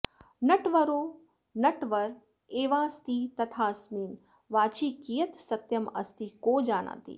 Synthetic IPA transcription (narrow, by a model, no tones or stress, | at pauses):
nɐʈʋɐɾoː | nɐʈʋɐɾ | eːʋaːst̪iːt̪ɐt̪ʰaːsmiːn | ʋaːt͡ʃiːkijɐt̪sɐt̪jɐmɐ̰st̪ikoːd͡ʒaːna̰ːt̪ḭː